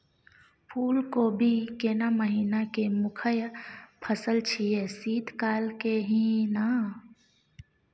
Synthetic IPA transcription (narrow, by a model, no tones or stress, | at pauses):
pʰuːlkobʱikenaməɦiːnakemʊkʰəjpʰəsəlt͡ʃʰiesiːt̪kaːlkeɦĩna